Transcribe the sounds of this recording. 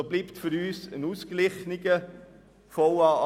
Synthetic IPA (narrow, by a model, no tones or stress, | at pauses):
obliːptfʏɾyːsənuːsɡ̥lɪχnɪɡ̥ə | foʊɑ